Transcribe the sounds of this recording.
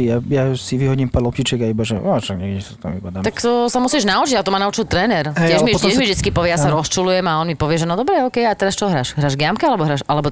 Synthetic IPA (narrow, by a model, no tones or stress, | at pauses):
ijajasiʋiɦɔɟiːmpaɾlɔpcit͡ʃɛɡaibaʒɛaʃaɡɲɛɡdisḁt̪a̰mibad̪amt̪akkt̪ɔsamusiːʒnaut͡ʃiɟat̪ɔmanaut͡ʃilˠt̪ɾɛːnɛɾɛjɛʒmit̪ɛmivʒd̪it͡skipɔʋjɛjasaɾɔst͡ʃulujɛmaɔnmipɔʋɪɛʒɛnɔd̪ɔbɾɛɔːkɛjat̪ɛɾast͡ʃɔɦɾaːʃɦɾaːʒɡjamkɛalɛbɔɦɾaːʃalɛbɔ